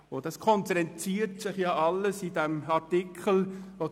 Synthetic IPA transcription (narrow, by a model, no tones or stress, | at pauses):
ʊd̥ɑskʰɔnt͡sɛnt͡siːɾtsɪχjɑɑlːəsid̥ɛmɑtikʰəl̩ʋo